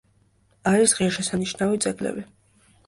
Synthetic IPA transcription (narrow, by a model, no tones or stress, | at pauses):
aɾisʁiaʃɛsaniʃnavit̪sʼɛɡlɛ̰vi